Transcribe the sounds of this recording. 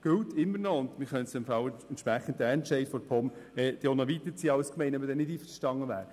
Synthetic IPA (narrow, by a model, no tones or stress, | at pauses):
ɡ̥øltɪmːəɾnɔʊnd̪mɪɾχœntsd̥ɛmfɑwəntʃpɾæχən̩tɛːɛntʃɛɪdfɔɾpʰɔmɛd̥eonɑʋit̪ət͡siːəɑʊskmɛɪnɔmədɛnɪdiːfəʃtɑŋːəʋæ̰ːɾ